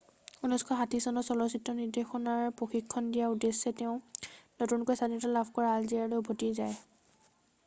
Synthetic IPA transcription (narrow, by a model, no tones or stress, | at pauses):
unɔskʰɔɦatisɔnɔsɔlɔsitɹɔniɹdexɔnaɹpɹoxikʰːɔndijaudesɛtɛʊ̃notunkɔjsadinɔtalabʱkɔɹaːlziaɹlojʊbʱotizaj